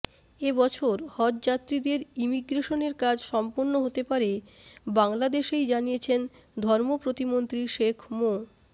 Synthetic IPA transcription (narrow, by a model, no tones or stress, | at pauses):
ebɔt͡ɕʰoɾhɔd̪d͡ʑat̪ːɾid̪eɾimiɡɾeʃoneɾkad͡ʑʃɔmponːoɦot̪epaɾebaŋlad̪eʃejd͡ʑanijet͡ɕʰen | d̪ʱɔɾmopɾot̪imont̪ɾiʃekʰmo